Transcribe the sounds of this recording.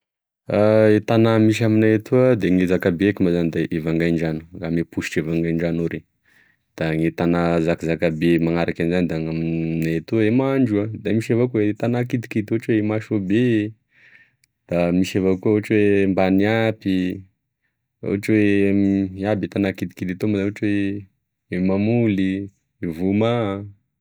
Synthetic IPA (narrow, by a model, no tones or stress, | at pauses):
aet̪anamiʃ̬aminaet̪uad̪eŋezakabeekimazanid̪aʔevaŋɡajɳɖ͡ʐanu̥ɡamepuʃi̥ʈ͡ʂevaŋɡajɳɖ͡ʐanoɾe | d̪̥aŋet̪anazakizakabemaŋaɾakanizanid̪aŋamnaet̪uaemaɳɖ͡ʐuad̪amiʃevakuet̪anakid̪i̥kid̪oɦaʈ͡ʂwemaʃobe | d̪̥amiʃevakuauɦaʈ͡ʂwembaniapi | a̰ɦaʈ͡ʂwemiabit̪anakid̪i̥kid̪it̪omazaaʈ͡ʂwe | mamuli | vuma